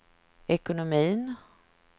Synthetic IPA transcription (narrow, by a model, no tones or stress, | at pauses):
ɛkʊnʊmiːn